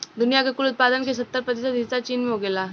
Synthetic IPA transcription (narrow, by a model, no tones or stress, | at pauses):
d̪ʊnijakekʊlʊt̪̚paːd̪ənkes̬ɐt̪ːəɾpɾət̪̬esad̪ʱisat͡ʃiːnmẽɦoɡelaː